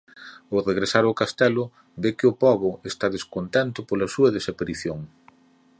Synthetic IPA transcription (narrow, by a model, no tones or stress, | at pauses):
owreɣɾesaɾakast̪ɛlʊ | bekɪʊpɔβʊest̪aðeskont̪ɛnt̪ʊpolɐsuɐðesapaɾiθjoŋ